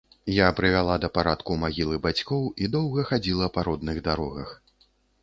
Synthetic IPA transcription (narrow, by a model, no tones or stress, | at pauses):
japɾɨvʲalˠad̪ɐpaɾat̪kumaɣʲilˠɨbat͡sʲkɔwid̪ɔwɣɐxad͡zʲilˠɐpaɾɔd̪nɨɣd̪aɾɔɣɐ̰x